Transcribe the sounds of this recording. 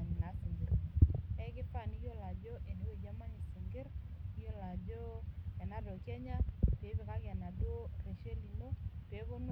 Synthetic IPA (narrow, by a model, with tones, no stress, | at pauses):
m˨na˨si˨ŋɡɪ˨ɾɛ˦kɪ˦fa˦˨ni˦jo˦la˨d͡ʒo˦ʔe˨ni˦wo˦˨d͡ʒa˦ma˦ni˨si˨ŋɡɪ˦ɾjo˦la˨d͡ʒo˦ɛ˨na˦dɔ˨kjɛ˦ɲa˦pe˨˦be˨ka˦ɡɪ˨a˨na˨do˦re˨ʃe˦li˨no˦pe˨˦bo˦n